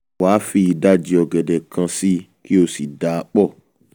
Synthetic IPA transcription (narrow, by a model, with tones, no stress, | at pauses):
waː˨˦fi˦˧i˧da˦d͡ʒi˧ɔ˧ɡɛ˨dɛ˨kʰã˧si˦ | ki˦o˧si˨da˨˦k͡pɔ˦˨